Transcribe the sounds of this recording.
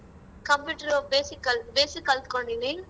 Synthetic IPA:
kɐmpjuːʈɐɾobeːsikːɐlbeːsikːɐlt̪u̥koɳɖini

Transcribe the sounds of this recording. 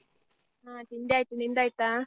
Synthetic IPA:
atindaitunindait̪a

